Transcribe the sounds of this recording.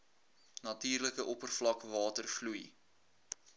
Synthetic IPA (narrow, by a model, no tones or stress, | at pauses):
nɐtiːrləkəʔɔpərflɐkvɑːtərfluj